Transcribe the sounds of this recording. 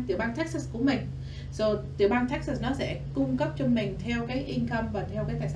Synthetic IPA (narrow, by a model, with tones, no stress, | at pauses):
t̪ɨ̰˧˩˨ɓaː˧nt̪ʰɛ˦˥k̚sə˧˥sku˧˩əmï˨˩ŋ̟ | zo˨˩t̪ɨ̰˧˩əɓaː˧nt̪ʰɛ˦˥k̚sə˧˩snɔ˨˦sɛ̰˧˥kʊ˧ŋ͡mkə˦˥p̚t͡ɕɔ˧mï˨˩ŋ̟t̪ʰɛ˧wkaː˨˦jʔi˧nkə˧mvaː˨˩t̪ʰɛ˧wkaː˨˦t̪ʰaː˨˧˩j